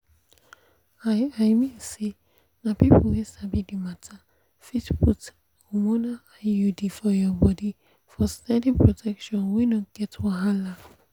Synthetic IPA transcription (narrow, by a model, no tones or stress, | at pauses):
aajmĩnse | napipowesabidimatʰa | fitput | ɔmɔnaajudifɔjɔbɔdi | fɔstɛ̃ndĩŋpɹɔtʰɛkʃɔ̃nwinɔtɡ̥ɛtwãɦala